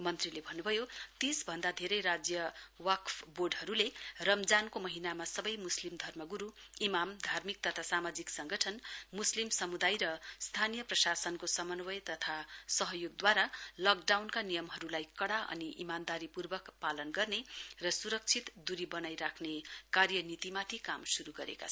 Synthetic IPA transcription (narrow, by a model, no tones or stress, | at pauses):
mʌnt̪rilebʱʌnːubʱʌjot̪isbʱʌnd̪ad̪ʱeɾʌjɾad͡zjʌwʌkpʰboɖɦʌɾulerʌmd͡zankomʌɦinamasʌbʌjmuslimd̪ʱʌrmʌɡuɾu | imamd̪ʱarmik̚t̪ʌt̪ʰasamad͡ziksʌŋɡʌʈʰʌnmuslimsʌmud̪ajɾʌst̪ʰanijʌprʌsasʌnkosʌmʌnwʌjt̪ʌt̪ʰasʌɦʌjoɡ̚d̪waɾalʌk̚ɖawnkanijʌmɦʌɾulajkʌɽaʔʌ̰niʔimand̪aɾipurbʌkpalʌnɡʌrnerʌsuɾʌk̚t͡sʰit̪d̪uɾibʌnajɾakʰnekarjʌnit̪imat̪ʰikamsuɾuɡʌɾḛka̰t͡sʰʌ